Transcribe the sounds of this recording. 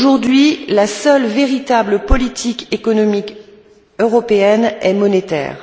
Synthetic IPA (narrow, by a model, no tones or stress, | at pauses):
ʒuʁd̪ɥilasœlveʁit̪abləpɔlit̪ʰikekɔnɔmik | øʁɔpeɛnɛmɔnet̪ɛ̰ːʁ